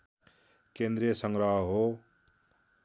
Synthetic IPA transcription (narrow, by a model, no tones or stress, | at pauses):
kẽnd̪ɾijəsʌŋɡɾʌɦɦo